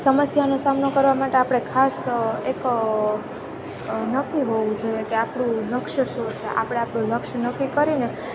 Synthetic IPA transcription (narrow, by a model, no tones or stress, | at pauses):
səməsjanosamnokəɾʋamaʈeapɽ̃ekʰasek | nəkːiɦoʋũd͡ʒoiekeapɽ̃ũləkʃəʃot͡ʃʰeʔa̰pɽ̃eapɽũləkʃnəkːikəɾine